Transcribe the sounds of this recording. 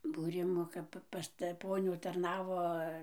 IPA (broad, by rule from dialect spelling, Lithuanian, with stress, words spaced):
buːˈrʲɪmuː ˈkɐp pɐs tɐ ˈpoːnʲuː tɐrˈnɑːʋoː